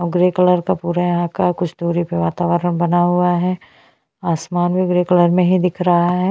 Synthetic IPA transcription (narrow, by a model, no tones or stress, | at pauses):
ɔɡɾeːkələɾkapuːɾajɐɦãkakʊt͡ʃʰd̪oːɾipeʋaːt̪aːʋəɾənbɐnaɦuaɦɛː | aːsmaːnbʱiɡɾekələɾmẽɦid̪ɪkʰɾɐɦaɦɛ